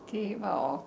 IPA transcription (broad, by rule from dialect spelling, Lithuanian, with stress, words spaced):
ˈtʲɛɪ ˈʋɐ oː